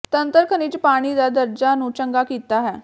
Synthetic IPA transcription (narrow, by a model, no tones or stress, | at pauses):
t̪ənt̪əɾkʰəniːt͡ɕpaɽ̃iːd̪ad̪əɾd͡ʑanuːt͡ɕəŋɡakit̪aɦɛ